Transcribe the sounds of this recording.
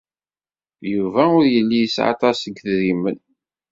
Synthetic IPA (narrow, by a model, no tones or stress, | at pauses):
juvæʊɾjəlːijəsʕɑ̰t̪ˤɑsəɡθɾimən